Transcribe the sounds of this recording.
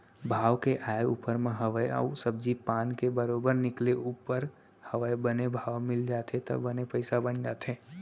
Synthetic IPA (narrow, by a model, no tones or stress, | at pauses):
bʱaːʋkeʔaːeupəɾmẽɦəʋəjə̰usəbd͡ʒipaːnkebəɾoːbəɾnɪkleʔupəɾ | həʋəjbənebʱaːʋmɪld͡ʒaːt̪ʰet̪ə̰bənepəɪsabənd͡ʒaːt̪ʰeː